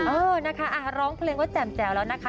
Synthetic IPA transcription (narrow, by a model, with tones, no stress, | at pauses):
ʔɤː˧na˦˥kʰa˦˥ʔa˧˩ɾɔː˦˥ŋpʰleː˧ŋkɔː˦˥˩t͡ɕɛː˨˩mt͡ɕɛː˨˩wlɛː˦˥wna˦˥kʰa˦